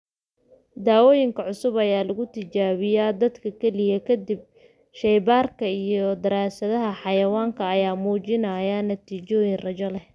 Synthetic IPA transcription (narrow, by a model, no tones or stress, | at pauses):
d̪aːwɔːjɪŋkʰɐʕʊsʊβɐjaːlɐɣʊt̪ʰɪt͡ʃaːβɪjaːd̪ɐd̪kʰɐkʰɛlɪjɐkʰɐd̪ɪb̚ | ʃɛjbaːrkʰɐijɔd̪ɐɾaːsɐðɐɦɐħɑjɐwaːŋkʰɐːjaːmuːt͡ʃɪnɐjanɐt̪ʰiːt͡ʃɔːjɪnrɐt͡ʃɔlɛh